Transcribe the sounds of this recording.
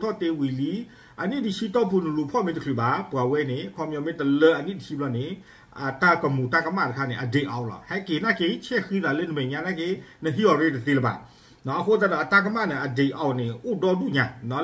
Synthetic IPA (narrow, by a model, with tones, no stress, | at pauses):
tʰɔ˦˨t̪e˧wi˨li˦ | ʔə˨ni˦˨di˨ʃi˦t̪ɔ˦˨pʰu˨nə˨lu˨pʰɔ˦˨mẽ˧˦tə˨kʰli˨ba˨bu˨a˨wɛ˦ne˨kʰɔ˨mjɔ̃˨mẽ˦t̪ə˨lə˦ʔə˨nĩ˦˨di˨ʃʰi˦blɔ˧˨ne˨ | ʔa˨t̪a˦kə˨mu˨t̪a˦˨kə˧˦ma˦˨tə˨kʰa˦˨nɛ˨ʔə˨de˨ʔɔ˨ʔlɔ̰˨hɛ˦˨ke˨na˦˨ke˧˦t͡ʃʰɛ˦˨xi˦ða˨le˦˨nə˨mɛ˨ɲã˨na˦˨ke˦nə˨ɦi˦ɔ˨ɾe˦˨tə˨t̪e˧˨lə˨ba̰˨ | nɔ˦ʔə˨ko˦˨t̪a˦˨dɔ˨ʔə˨t̪a˦˨k̬ə˦ma˦˨nɛ˨ʔə˨de˨ʔɔ˨wnɪ˨u˦˨dɔ˧˦du˦˨ɲã˨nɔ˨˦